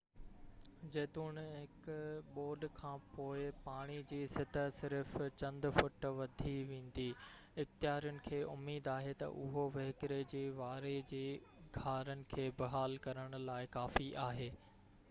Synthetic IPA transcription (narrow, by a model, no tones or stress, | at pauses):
d͡ʑeːt̪uːɽ̃ɦɪkʊɓoːɾɖkʰãːpoːɪpaːɽ̃id͡ʑiːsɪt̪ʰəsɪɾft͡ɕɐ̃nd̪fʊʈʋɐd̪ʱiʋẽːn̆d̪i | ɪxt̪ɪjaːɾjʊnɪ̆kʰeːʔʊmiːd̪aːɦet̪ɐ̰ʔʊɦoʋɐɦkɾed͡ʑeːʋaːɾed͡ʑeː | ɡʱaːɾənɪ̆kʰeːbɪɦaːlkɐɾəɽ̃ʊ̆laːɪkaːfiʔaːɦeː